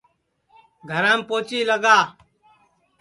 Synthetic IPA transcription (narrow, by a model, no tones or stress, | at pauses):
ɡʱəɾãːmpoːt͡ʃiːləɡaː